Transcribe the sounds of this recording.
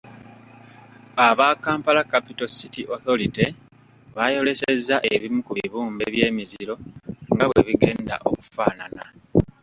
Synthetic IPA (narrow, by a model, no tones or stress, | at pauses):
aβaːkaːmpalakapitositiʔo̞θo̞ɾite | βajo̞le̞sezːaʔe̞βimukuβiβuːmbe̞βje̞ːmiziɾo̞ŋɡaβweβiɡe̞ːnda̰ʔo̞ku̥faːnana